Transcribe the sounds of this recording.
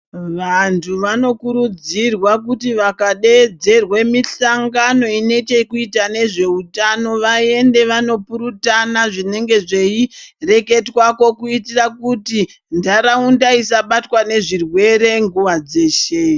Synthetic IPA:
ʋantʰuʋano̞kuɾud͡zirwak̬utiʋakaɗe̞d͡ze̞rwe̞miɬaŋɡano̞ine̞t͡ʃe̞kuitane̞ʐe̞utano̞ʋae̞nde̞ʋano̞puɾutanaʐine̞ŋɡe̞ʐe̞ire̞ke̞twako̞kuitirakuti | ndaɾaundaisaɓatwane̞ʐirwe̞ɾe̞ŋɡuʋad͡ze̞ːʃe

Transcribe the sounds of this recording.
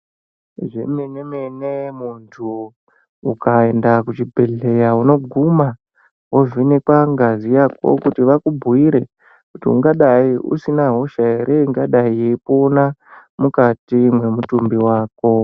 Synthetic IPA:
ʐḛmenemenemuntʰuː | kae̞ndakut͡ʃibʱe̞ɮe̞jauno̞ɡʱuma | woʐinekwaŋɡazijako̞̰kutiʋakubʱuiɾe̞ | kutiṵŋɡaɗaiṵsinaɦo̞ʃaeɾeŋɡaɗaijepo̞na | mukatimwe̞mutumbiwaːk̚o̞

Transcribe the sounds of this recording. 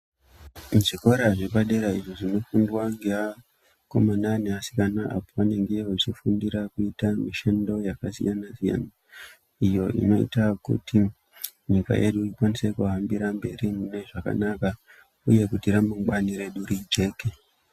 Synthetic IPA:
muʐiko̞ɾaʐipaɗe̞ɾaiʐoʐino̞fundwaŋɡea | komanane̞asi̥kanaʔa̰poʋaneŋɡeot͡ʃifundiɾakuitamiʃendo̞jakasḭjanazija̰na | ijo̞ʔḭno̞ḭtakṵti | ɲika̰jʔe̞ɗuipanise̞kuɦambiɾambe̞ɾimune̞ʐaka̰naka | ṵje̞kutiɾamuŋɡwaniɾe̞ɗuɾid͡ʒe̞ke

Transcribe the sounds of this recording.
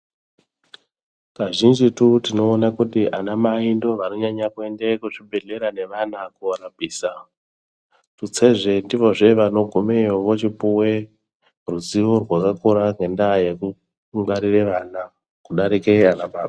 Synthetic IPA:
kaʒind͡ʒitutino̞ːnakutiʔanamaindo̞ʋanoɲaɲakue̞nde̞kuʐibʱe̞ɮe̞ɾane̞ʋanakuoɾabʱiːsa | tut͡se̞ʐe̞ndiʋo̞ʐe̞ʋano̞ɡʱumejoʋot͡ʃipuwe | ruziʋorwakakuɾaŋɡe̞ndajeku | ŋɡaɾireʋana | kuɗaɾikeanaɓaːɓa

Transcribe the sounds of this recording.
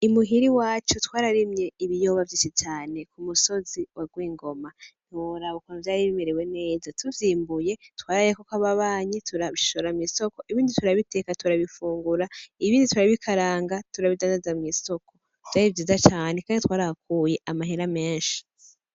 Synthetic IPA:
imuɦiɾiwaːt͡ʃotwaːɾaɾimɲe̞iβijo̞βavjiːnʃit͡ʃaːne̞kumuso̞ziwaɡwiːŋɡo̞man̥uɾaβokanavjaːɾiβimeɾewe̞ne̞ːzatʰuvjiːmbuje̞twaːɾajekokaβaβaːɲitʰuɾaβiʃoɾamŋiːso̞ko̞ʔiβiːndituɾaβite̞katuɾaβifuːŋɡuɾaiβiːndituɾaβikʰaɾaːŋɡatuɾaβidaːndazamŋiːso̞ko̞ | v̥jaːɾivjiːzat͡ʃaːnekaːnditwaːɾahakuje̞ʔamaɦeɾame̞ːnʃi̥

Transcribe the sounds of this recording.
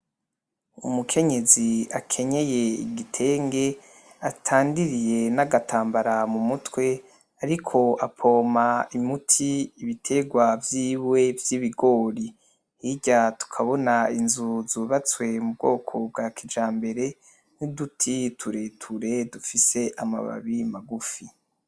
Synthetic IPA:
ṵmukʰe̞ɲe̞ziakʰe̞ɲe̞je̞ḭɡitʰe̞ːŋɡe̞ | atʰaːndiɾije̞naɡatʰaːmbaɾamumutwe̞ | aɾikʰo̞apʰoːmaimutʰiːβitʰe̞ɡwavjiːwwe̞vjiβiɡo̞ːɾi | hiɟatu̥kʰaβo̞nainzuzuβat͡swe̞mub̚ɡo̞ːkʰo̞b̚ɡaːkʰid͡ʒaːmbe̞ɾe̞ | nudutʰitʰuɾe̞tʰuɾe̞dufise̞ʔama̰βa̰βimaɡufi

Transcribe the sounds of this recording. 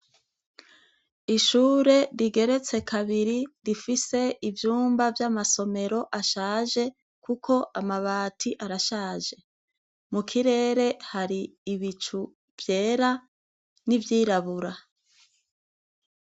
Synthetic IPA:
iʃuːɾe̞ɾiɡe̞ɾe̞t͡se̞kʰaβiɾiɾifise̞ivjuːmbavjamaso̞me̞ɾo̞ʔaʃaːʒe̞ | kukʰo̞ʔamaβaːtʰiʔaɾaʃaːʒe̞ | mukʰiɾe̞ːɾe̞haɾiːβit͡ʃu | v̥je̞ːɾa | nivjiːɾaβuɾa

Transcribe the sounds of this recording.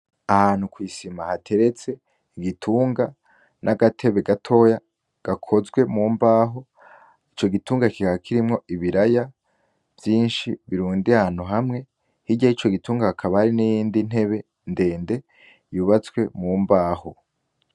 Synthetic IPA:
ahaːn̥hukwiːsimahatʰe̞ɾe̞t͡se̞ | ɡitʰuːŋɡa | nʔaɡatʰe̞βe̞ɡatʰo̞ːja | ɡ̥akʰo̞zɡwe̞muːmbaːɦo̞ | it͡ʃo̞ɡituːŋɡakikakʰiɾimŋo̞iβiɾaja | vjiːnʃiβiɾuːndiahan̥uɦamŋe̞ | hiɟahit͡ʃo̞ɡituːŋɡaakʰaβahaɾinijiːndin̥he̞βe̞ | nde̞ːnde̞ | juβat͡sɡwe̞muːmbaːho̞

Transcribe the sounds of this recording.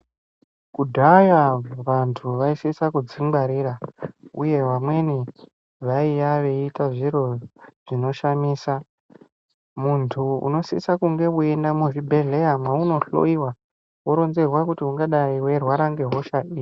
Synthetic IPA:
kudʱajaʋantʰuʋaisisakud͡ziŋɡaɾiɾauje̞ʋamwe̞ni | ʋaijaʋeitaʐiɾo̞ʐ̥ino̞ʃamiːsa | muntʰuṵno̞sḭsakuŋɡe̞ue̞ndamuʐibʱe̞ɮe̞amwauno̞ɬo̰iwa | woɾo̞nzerwakutiuŋɡaɗaiwe̞rwaɾaŋɡe̞ɦo̞ʃaiːi

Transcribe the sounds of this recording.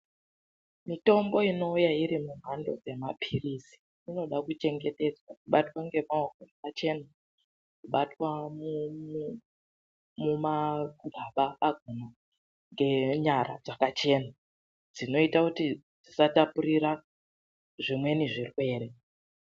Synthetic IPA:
mito̞mbo̞ino̞ujaiɾimuɦando̞̰d͡ze̞mapʰirisi̥ː | no̞ɗakut͡ʃe̞ŋɡe̞te̞d͡zwakuɓatwaŋɡe̞maokokat͡ʃe̞na | kuɓatwamu | mumaɡʱaɓaaɡʱona | ŋɡe̞ɲaɾa̰d͡zakat͡ʃe̞ːna | d͡zino̞itakuti | d͡zisatapuɾiɾa | ʐimwe̞niʐirwe̞ːɾe

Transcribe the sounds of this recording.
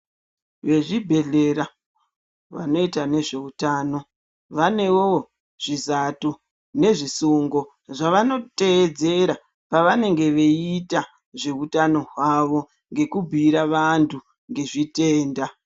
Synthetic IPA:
ʋe̞ʐibʱe̞ɮe̞ɾa | ʋa̰no̞itane̞ʐe̞utaːno̞ | ʋane̞wo | ʐ̥izatu | ne̞ʐisuŋɡo̞ | ʐaʋano̞te̞ːd͡ze̞ɾa | paʋane̞ŋɡe̞ʋe̞ita | ʐe̞utano̞ɦwaʋo̞ | ŋɡe̞kubʱiɾaʋantʰu | ŋɡe̞ʐite̞ːnda

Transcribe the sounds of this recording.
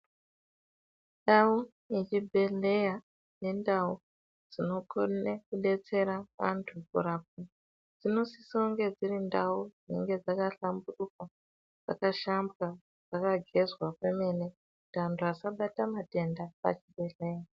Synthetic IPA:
ndau | jet͡ʃibʱe̞ɮe̞ja | ne̞ndau | d͡zino̞konekuɗe̞t͡se̞ɾaʋa̰ntʰukuɾap̚u | d͡zino̞sisoŋɡe̞d͡zirindaud͡zinḛŋɡe̞d͡zakaɬamburukwa | d͡za̰kaʃambɣa | d͡zakaɡʱe̞zwakwemene | kutiantʰuasaɓatamate̞ndapa̰t͡ʃibʱe̞ɮe̞ja

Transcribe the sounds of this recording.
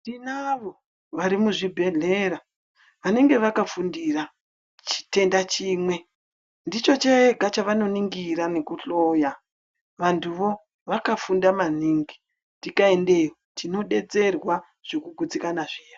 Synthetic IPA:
ndinaʋo̞ | ʋaɾimuʐibʱe̞ɮe̞ra | ʋane̞ŋɡe̞ʋakafundira | t͡ʃi̥te̞ndat͡ʃiːmwe̞ | ndit͡ʃo̞t͡ʃeeɡʱat͡ʃaʋano̞niŋɡiɾane̞kuɬo̞ja | ʋantʰuʋo̞ | ʋakafundamaniːŋɡi | ntdikae̞nde̞jotino̞ɗe̞d͡ze̞rwa | ʐ̥ekuɡʱud͡zikanaʐiːja

